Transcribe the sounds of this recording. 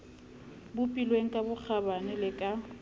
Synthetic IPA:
bʊpʼilweŋ̩kʼabʊk͡xʰabanɪlɪkʼa

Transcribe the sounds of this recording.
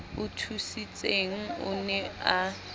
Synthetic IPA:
ʊtʰusit͡sʼeŋ̩ʊ̰nɛa

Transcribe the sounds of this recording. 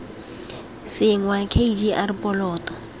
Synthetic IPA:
sɪŋwakʰeid͡ʒiʔarɪpʼɔlɔːtʼɔ̥

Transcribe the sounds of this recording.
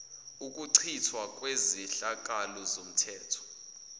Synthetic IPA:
uk̬ʼuǀʰitʰwak̬ʼweziɬak̬alɔzom̩tʰɛːtʰɔ̥

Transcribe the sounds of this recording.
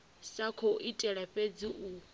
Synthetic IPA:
sakʰoʔitʼɛɺaɸed͡ziʔu

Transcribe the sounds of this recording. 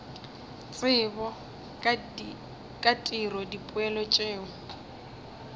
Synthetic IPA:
t͡sʼɪbɔ | kʼatʼirɔdipʼʊɛlɔt͡ʃʼeːŋʊ

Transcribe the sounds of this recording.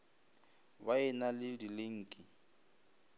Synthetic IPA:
baɛnalɪdilɪŋ̩ːkʼɪ

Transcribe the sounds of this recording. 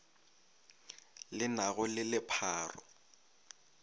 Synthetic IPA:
lɪnaɣʊlɪlɪpʰaːrɔ̰

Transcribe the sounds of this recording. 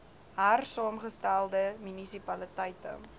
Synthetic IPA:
ɦærsɑːmχəstælˠdəmynisipɐlətəjtə̰

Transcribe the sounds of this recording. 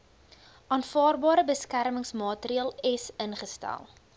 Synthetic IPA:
ʔɑːnfɑːrbɑːɾəbəskærməŋsmɑːtɾiɑːlˠɛsənχəstæ̰lˠ

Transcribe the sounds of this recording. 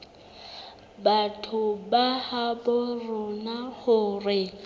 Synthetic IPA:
batʰʊbahabʊrʊnahʊːrɪ

